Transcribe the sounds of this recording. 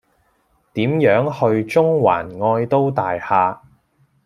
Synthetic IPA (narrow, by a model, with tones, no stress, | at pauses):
t̪iː˨˥mjœː˨˥ŋhɵ˧ɥt͡sʊ˥ŋwa̰ː˨˩nŋɔː˧jt̪o˥wt̪aː˨jhaː˧